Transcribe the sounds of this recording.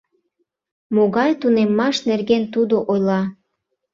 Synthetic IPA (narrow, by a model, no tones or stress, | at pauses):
moɣɑjt̪unemːɑʃnerɣent̪ud̪oʔojlɑ